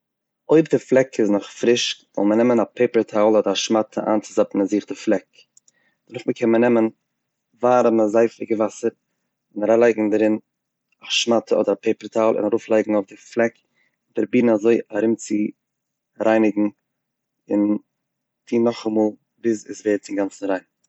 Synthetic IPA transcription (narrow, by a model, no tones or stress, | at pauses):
oɪbdɪflˠɛkɪsnɔχfɾɪʃzɔ̰lˠmənɛmənapʰeɪpəɾtʰaːlˠɔdəɾaʃmatʰə̰ʔa̰ːnt͡sɪ̥zapn̩aziːχtəflˠɛk | d̥ənʊχməkʰɛnmənɛmən | vaːɾəməzaɪfɪ̰ɡəvasəɾ | ɪnaɾalˠaɪɡŋ̩daɾɪn | aʃmatʰəɔdəɾapʰeɪpəɾtʰaːlˠʔɪ̰naɾuːflˠaɪɡŋ̩ʊfdɪflˠɛk | daɾbiːn̩azoɪaɾɪmt͡sɪ | ɾʔaɪnɪɡŋ̩ | ɪn | tʰiːnɔχamuːlˠ | bɪzɪ̰zveːɾt͡sɪŋɡant͡sn̩ɾaɪn